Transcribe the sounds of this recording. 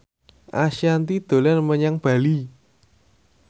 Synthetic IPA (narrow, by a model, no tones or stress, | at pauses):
ʔaʃant̪id̪̥o̤lanməɲaŋb̥ä̤li